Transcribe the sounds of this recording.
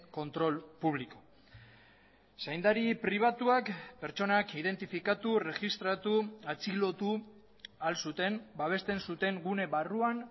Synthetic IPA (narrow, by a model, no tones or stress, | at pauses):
ko̞nt̪ɾo̞lpuβliko | sajnd̪aɾipɾiβ̞at̪uakpe̞ɾt͡ʃo̞nakið̞e̞nt̪ifikat̪ure̞ʝist̪ɾat̪uat͡silo̞t̪u | alsut̪e̞mbaβ̞e̞st̪e̞nsut̪e̞ŋɡune̞βaruan